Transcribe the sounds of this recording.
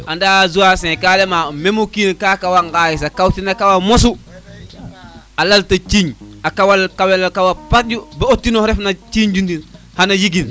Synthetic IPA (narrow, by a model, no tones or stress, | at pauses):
andazuwasẽkalemamemukinkakawaŋɡajisakawtinakawamosu | alaltat͡ʃiɲakawalkawelakawapat̚d͡ʒubaotːinoɾefnat͡ʃiɲd͡ʒundin | hanajiɡin